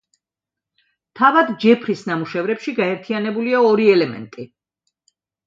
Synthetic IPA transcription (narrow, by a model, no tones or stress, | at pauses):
t̪ʰavad̪d͡ʒɛpʰɾisnamuʃɛvɾɛpʃiɡaɛɾt̪ʰianɛbuliaɔɾiɛlɛmɛ̰nt̪ʼi